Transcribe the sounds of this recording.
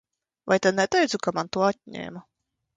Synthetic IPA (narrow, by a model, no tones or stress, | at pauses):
vajt̪ad̪nɛt̪ɛjd̪zukamant̪uɔat̪̚ʲɲʲḛːma